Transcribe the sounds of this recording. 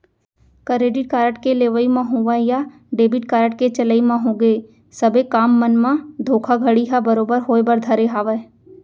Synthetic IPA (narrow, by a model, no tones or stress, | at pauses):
kəɾeːɖɪʈ̚kaːɾəʈkeleːʋəimãɦoːʋaja | ɖeːbɪʈ̚kaːɾəʈ̚ket͡ʃələimãɦõːɡeː | sɐbekaːmːənmãd̪ʱoːkʰaɡʱəɽiɦabəɾoːbəɾɦoːebəɾd̪ʱɐɾeɦaːʋə